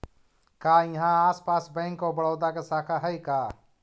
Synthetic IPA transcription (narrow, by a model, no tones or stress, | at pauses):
kaːjɐɦãaːspaːsbɛ̃ːŋkobəɽɔːd̪akesaːkʰaɦɛikaː